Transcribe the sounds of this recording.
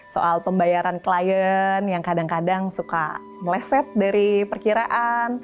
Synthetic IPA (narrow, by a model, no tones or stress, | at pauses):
so̰ʔalpəmbajaɾanklajənjaŋkadaŋkadaŋsuka̰ | məlɛsɛt̪̚daɾipərkiɾaʔan